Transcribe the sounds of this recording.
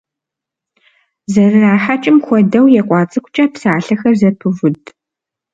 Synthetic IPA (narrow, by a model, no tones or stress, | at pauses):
zɐrɨraːħat͡ʃʼɪmxʷɔdɐwjɛqʷʼɑːt͡sʼɨkʷʰʼt͡ʃʼɐpsaːɬɐxɐrzɐpʰɨvʊdʰʼ